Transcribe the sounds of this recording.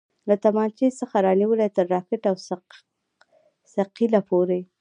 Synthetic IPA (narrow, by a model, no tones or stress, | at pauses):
lat̪amɑnt͡ʃesəxaɾɑniwəlat̪əɾːɑkɪʈaws | saqilapʰoɾe